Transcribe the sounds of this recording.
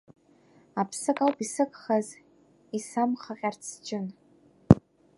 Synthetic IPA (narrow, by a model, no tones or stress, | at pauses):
apʰsɨkʼalpisɨkʼχaz | isamχaqʲʼart͡sʰd͡ʒʼɪn